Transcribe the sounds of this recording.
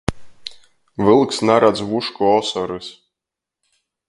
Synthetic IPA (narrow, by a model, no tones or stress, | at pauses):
vɨlˠksnaɾad̪zvuʃkɔɔsɔɾɨs